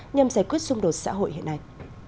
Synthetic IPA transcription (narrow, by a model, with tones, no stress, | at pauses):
ɲa˨˩mzaː˧˩jkwi˦˥ət̚sʊ˧ŋ͡mɗo˨˩t̚sa̰ː˧˥ɦo̰˧˨jhḭ˧˨əna˧j